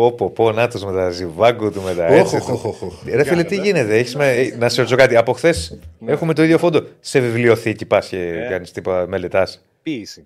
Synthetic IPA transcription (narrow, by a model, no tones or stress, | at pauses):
opoponɐt̪ozme̞t̪ɐzivɐɡot̪ume̞t̪ɐ | ɾefilet̪iʝine̞t̪eeçizmenɐsoiso̞kɐt̪iɐpo̞xθe̞se̞xumet̪oiðʝo̞fo̞nd̪o̞se̞vivlio̞θicipɐsceʝɐnist̪ipot̪ɐme̞le̞t̪ɐs | isi